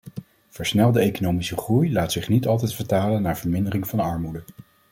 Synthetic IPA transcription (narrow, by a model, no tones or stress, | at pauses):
v̥əɹsnɛlˠdəejkonowmisəχrujlaːtsɪχnitɑlˠt̬ɛjtfəɹtaːlənːaːɹvəɹmɪndərɪŋvɑnɑɹmudə